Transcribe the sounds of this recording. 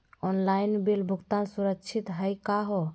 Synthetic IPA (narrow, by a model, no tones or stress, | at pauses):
ɔnlainbelbʱuɡt̪ansuɾək̚t͡ʃʰit̪ɦəjkaɦo